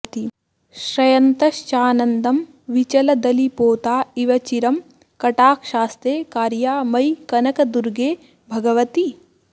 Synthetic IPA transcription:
t̪i | ʃɾɐjɐnt̪ɐʃt͡ʃaːnɐnd̪ɐm | ʋit͡ʃɐlɐd̪ɐlipoːt̪aːiʋɐt͡ʃiɾɐm | kɐʈaːkʃaːst̪ɾeːkaːɾjaːmɐjkɐnɐkɐd̪uɾɡeː | bʱɐɡɐʋɐt̪i

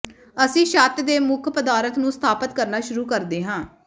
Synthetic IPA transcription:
əsĩːʃaːt̪d̪eːmʊkʰpəd̪aːɾət̪nũːst̪ʰaːpət̪kəɾnaːʃʊɾuːkəɾd̪eːɦãː

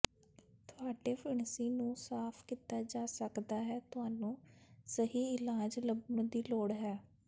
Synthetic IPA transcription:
t̪ʊaːɖeːpʰɪɳsiːnũːsaːpʰkit̪aːd͡ʒaːsəkd̪aːɦɛːt̪ʊaːnũːsəɦiːɪlaːd͡ʒləbəɳd̪iːloːɽɦɛː

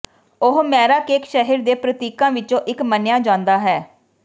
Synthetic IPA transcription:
ʊɦmɛːɾaːkeːkʃɛɦiɾd̪eːpɾət̪iːkãːʋɪt͡ʃõːʔɪkmənjãːd͡ʒãːnd̪aːɦɛː

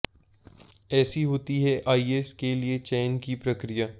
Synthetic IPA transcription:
ɛːsiɦoːt̪iɦɛʔaːiːeːskeliet͡ʃɛːnkipɾɐkɾija

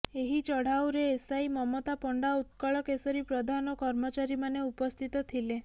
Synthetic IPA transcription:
eɦit͡ʃɔɽ̤awɾeːsaimɔmot̪apɔɳɖaut̪kɔɭɔkesɔɾipɾɔd̪ʱanɔkɔɾmɔt͡ʃaɾimaneupɔst̪ʰit̪ɔt̪ʰile

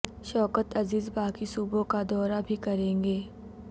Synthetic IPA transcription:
ʃɔːkət̪ɐziːzbaːkisuːbõkad̪ɔːɾabʱikɐɾẽːŋɡeː

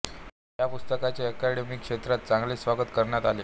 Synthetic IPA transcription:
japust̪əkat͡ɕjaəkæɽemikʂet̪ɾat̪̚t͡sãŋɡleːsʋaɡət̪kəɾɳjat̪aleː

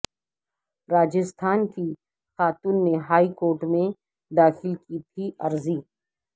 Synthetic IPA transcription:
ɾaːd͡ʒɪst̪ʰaːnki | xaːt̪uːnːeɦaːikoːɾʈmẽ | d̪aːxɪlkit̪ʰiɐɾziː

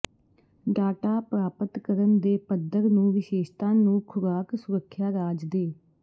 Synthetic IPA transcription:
ɖaːʈaːpɾaːpət̪kəɾənd̪eːpəd̪əɾnũːʋɪʃeːʃt̪ãːnũːkʰʊɾaːksʊɾəkʰːjaːɾaːd͡ʒd̪eː

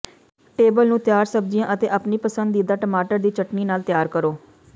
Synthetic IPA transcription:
ʈeːbəlnũːt̪jaːɾsəb̚d͡ʒijãːʔət̪eːʔəpniːpəsənd̪iːd̪aːʈəmaːʈəɾd̪iːt͡ʃəʈniːnaːlt̪jaːɾkəɾoː

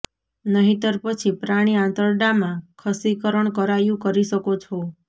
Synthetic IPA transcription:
nəɦit̪əɾpət͡ʃʰipɾaɽ̃iãnt̪əɾɖamãkʰəsikəɾəɳkəɾajũkəɾiʃəkot͡ʃʰo

